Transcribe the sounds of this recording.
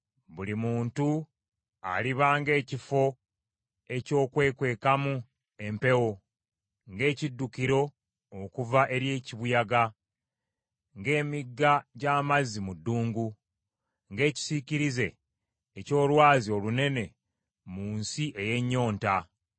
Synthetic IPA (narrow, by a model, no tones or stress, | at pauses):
βulimuːntu | a̰liβaːŋɡe̞ːcifo̞ | e̞co̞ːkwe̞ːkwe̞ːkamu | e̞mpe̞wo̞ | ŋɡe̞ːcidːukiɾo̞ | okuvaʔe̞ɾje̞ːciβujaɡa | ŋɡe̞ːmiɡːaɟaːmazimudːuːŋɡu | ŋɡe̞ːci̥siciɾize̞ː | co̞ːlwaːzio̞lune̞ne̞ | muːnsiʔe̞je̞ɲːo̞ːnta